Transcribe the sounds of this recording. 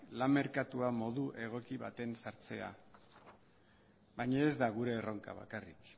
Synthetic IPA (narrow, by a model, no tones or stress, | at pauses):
lame̞ɾkat̪uamo̞ðuʔe̞ɣ̞o̞kiβat̪e̞nsaɾt͡se̞̰a̰ | βajɲaezd̪aɣ̞uɾe̞ːro̞ŋka̰β̞a̰karik